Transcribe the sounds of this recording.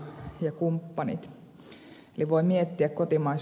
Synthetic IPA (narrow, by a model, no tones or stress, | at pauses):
jɑkumpːɑnḭt̪ | eliʋoimiet̪ːiækkot̪imɑis